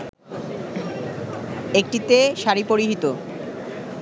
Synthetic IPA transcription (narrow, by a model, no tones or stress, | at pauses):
ek̚ʈit̪eʃaɾipoɾiɦit̪o